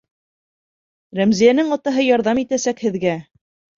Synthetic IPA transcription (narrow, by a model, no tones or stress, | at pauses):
ɾæmzijænɘŋɑt̪ɑɦɤjɑɾðɑmit̪æsækhɘ̆ðɡæ